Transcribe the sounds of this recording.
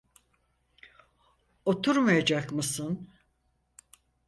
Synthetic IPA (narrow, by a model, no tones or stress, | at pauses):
o̞t̪ʰuɾmajad͡ʒakmɯsɯn